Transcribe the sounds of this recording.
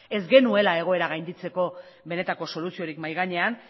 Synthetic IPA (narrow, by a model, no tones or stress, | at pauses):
e̞zɡe̞nue̞lae̞ɣ̞o̞e̞ɾaɣ̞ajnd̪it͡se̞ko̞ | βe̞ne̞t̪ako̞so̞lusio̞ɾikmajɣaɲe̞an